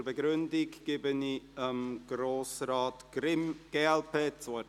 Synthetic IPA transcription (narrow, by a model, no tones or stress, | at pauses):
rbəɡɾʏndɪɡɡ̥ɪbəniəmɡ̥ɾoːsraːtɡ̥ɾɪmɡ̥eːɛlpʰeːt͡so